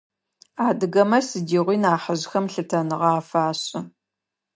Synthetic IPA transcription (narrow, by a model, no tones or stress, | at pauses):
aːdɨɣɐmɐsɨdiːʁʷiːnaːħəʑxɐmɬɨtʰɐnɨʁɐaːfaːɕʼɪ